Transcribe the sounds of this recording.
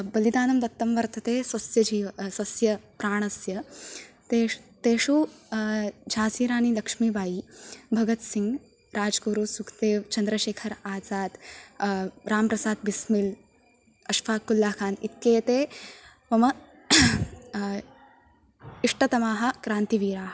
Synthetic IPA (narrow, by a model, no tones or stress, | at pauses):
bɐlid̪aːnɐmd̪ɐt̪ːɐmʋɐɾt̪ɐt̪eːsɐsjɐd͡ʒiːʋɐsɐsjɐpɾaːɳ̃ɐsjɐt̪et̪eːʂuː | d͡ʑʱaːsiːɾaːnilɐkʂmiːbʱaːjiːbʱɐɡɐt̪siŋɡ | ɾaːd͡ʒkuɾusukʰt̪eːʋt͡ʃɐnd̪ɾɐʃeːkʰɐɾaːd͡zaːt̪ | ɾaːmpɾɐsaːt̪̚bismil | ɐʃpʰaːkːulːaːkʰaːnit̪̚keːt̪eː | ʋɐmɐ | iʂʈɐt̪ɐmaːɦɐ̆kɾaːnt̪iʋiːɾaːɦ